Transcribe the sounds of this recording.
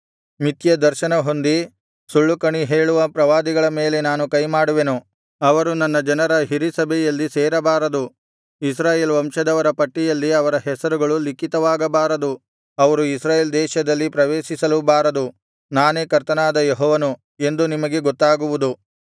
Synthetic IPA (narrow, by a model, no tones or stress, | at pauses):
mit̪jɐd̪ɐɾʃɐnɐɦo̞nd̪i | suɭːukɐɳiɦeːɭuʋɐpɾɐʋaːd̪iɡɐɭɐme̞ːle̞naːnukɐjmaːɽuʋe̞nu | ɐʋɐɾunɐnːɐd͡ʒɐnɐɾɐɦiɾisɐbʱɛjɐlːiseːɾɐbaːɾɐd̪u | is̬ɾaːjeːlʋɐmʂɐd̪ɐʋɐɾɐpɐʈːijɐlːiɐʋɐɾɐɦɛsɐɾuɡɐɭulikit̪ɐʋaːɡɐbaːɾɐd̪u | ɐʋɐɾuisɾaːjeːld̪ɛːʃɐd̪ɐlːipɾɐʋeːʃisɐlubaːɾɐd̪u | naːneːkɐɾt̪ɐnaːd̪ɐjoɦɔːʋɐnu | e̞nd̪unimɐɡe̞ɡɔt̪ːaːɡuʋud̪u